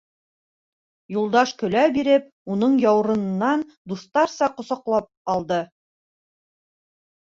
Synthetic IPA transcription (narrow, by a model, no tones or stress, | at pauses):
julˠd̪ɑʃkɵ̆læbiɾɘp̚ | unɤɴjɑwɾɤ̆nɤ̆nːɑn | d̪uθt̪ɑɾsɑqŏsɑqlˠɑp̚ɑlˠd̪ɤ